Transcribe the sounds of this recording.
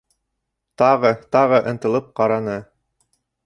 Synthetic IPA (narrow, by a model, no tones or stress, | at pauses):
t̪ɑʁɤt̪ɑʁɤʔɤ̆nt̪ɤ̆lˠɤp̚qɑɾɑnɤ